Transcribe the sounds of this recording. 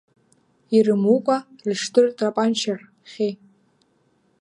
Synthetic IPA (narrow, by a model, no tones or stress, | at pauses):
irɨmukʷʼa | lʃtʰʼɨrtʰʼrapʼant͡ʃʰar | χʲe